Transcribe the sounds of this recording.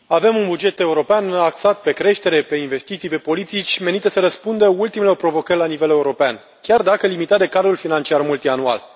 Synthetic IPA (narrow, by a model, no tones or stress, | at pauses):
ave̞munbud͡ʒe̞t̪e̞uɾo̞peanaksat̪̚pe̞kɾe̞ʃt̪e̞ɾe̞pe̞inve̞st̪it̪sijpe̞po̞lit̪it͡ʃʲmenit̪əsəɾəspund̪əult̪imelopɾo̞vo̞kərʲlanive̞le̞uɾo̞pean | kʲard̪akəlimit̪at̪d̪e̞kad̪ɾulfinant͡ʃiarmult̪ianua̰l